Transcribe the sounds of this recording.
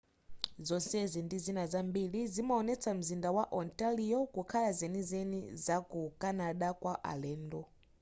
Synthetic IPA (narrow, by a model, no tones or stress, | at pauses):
zɔnsɛzindizinazambiɺizimaɔnɛt͡sam̩zindawaʔɔntaliɔkukʰalazenizenizakukanaɗakwaʔa̰lɛːndɔ